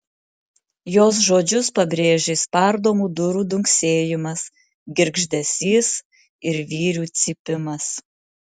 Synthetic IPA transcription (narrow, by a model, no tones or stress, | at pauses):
joːs̬ʒoːd͡ʒʲʊspɐbʲɾʲeːʒʲeːspɐɾd̪oːmuːd̪ʊɾuːd̪ʊŋʲksʲeːjɪmɐs | ɡʲɪɾɡʒʲd̪ʲɛsʲiːs | ɪɾʋʲiːɾʲuːt̪sʲɪpʲɪmɐs